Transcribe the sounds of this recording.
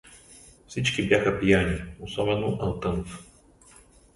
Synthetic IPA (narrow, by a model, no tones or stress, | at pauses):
fsit͡ʃkibjaxəpijanʲiosɔbɛnoʔɐlˠt̪ɤnf